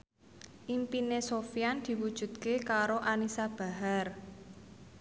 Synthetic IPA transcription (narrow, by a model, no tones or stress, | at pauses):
ʔimpinesofjand̪̥i̤wud̥ʒ̥ṳt̪kekaɾoʔanisab̥a̤ɦar